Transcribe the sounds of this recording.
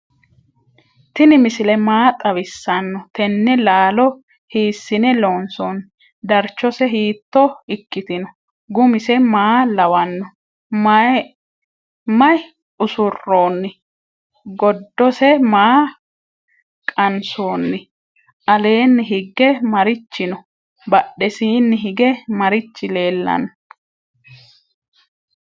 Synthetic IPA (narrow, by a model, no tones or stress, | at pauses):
t̪ɪnɪmɪsɪlɛmaːt̪ʼɐwɪsːɐnːɔt̪ɛnːɛlaːlɔ | hiːsːɪnɛloːnsonː | d̪ɐɾt͡ʃːɔsɛɦiːt̪ːɔɪkːɪt̪ɪnɔ | ɡʊmɪsɛmaːlɐwɐnːɔ | mɐ | mɐj | ʊsʊrːoːnːɪ | ɡɔd̪ːɔsɛmaː | kʼɐnsoːnːɪ | ʔɐle̞ːnːɪɦɪɡːɛmɐɾɪt͡ʃːɪnɔ | bɐɗːɛsiːnːɪɦɪɡɛmɐɾɪt͡ʃːɪle̞ːlːɐ̰nːɔ